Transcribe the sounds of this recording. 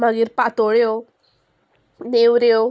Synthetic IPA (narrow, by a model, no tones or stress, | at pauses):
maɡiɾpat̪oɭeo | newɾeo